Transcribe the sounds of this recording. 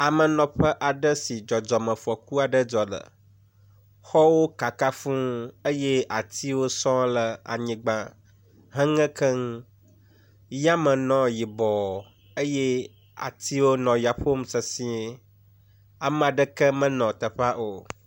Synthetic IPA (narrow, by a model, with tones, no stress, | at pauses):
a˨mə̃˨nɔ̃˨ɸə˦ʔa˨ɖə˦si˨d͡ʒɔ˨d͡ʒɔ˨mə̃˨fɔ˨ku˦a˨ɖə˦d͡ʒɔ˨lə̰˨ | xɔ˦wo˦ka˨ka˦fũ˦ə˦jɛ˦a˨t̪ʰi˦wo˦sɔ̃˦lə˨a̰˨ɲĩ˨ɡ͡bã˦ | ɦə̃˦ŋɛ̃˦kʰə˦ŋ˦ | ja˦mə̃˨nɔ̃˦ji˨bɔ˨ | ə˦jɛ˦ | a̰˨t̪ʰi˦wo˦nɔ̃˨ja˨ɸo˦msə˨sĩ˦ | a˨m˦a˨ɖə˦kə˦mə̃˦nɔ̃˨t̪ə˨ɸa˦ʔo˨